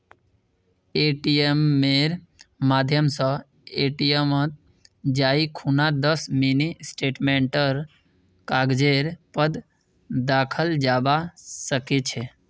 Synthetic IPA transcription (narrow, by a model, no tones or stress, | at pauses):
eʈiemːeɾ | mad̪ʱjəmsə̃ | eʈijemət̪̚ | d͡ʒaikʰunad̪əsminisʈeʈmẽɳʈəɾ | kaɡd͡ʒeɾpəd̪ | d̪akʰəld͡ʒabasəket͡ʃʰe